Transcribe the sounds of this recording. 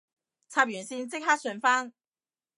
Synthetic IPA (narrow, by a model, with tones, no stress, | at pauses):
t͡sʰaː˧p̚jy˨˩nsi˧nt͡sɪ˥k̚ɦaː˥t̚sɵ˧nfaː˥ŋ